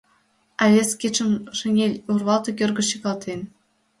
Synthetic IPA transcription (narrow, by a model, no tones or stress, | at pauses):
ɑlʲeskʲet͡ʃɘ̆mʂɘ̆nʲelʲurβɑlˠt̪ɤ̆kʲørɡɤ̆ɕiɣɑlt̪en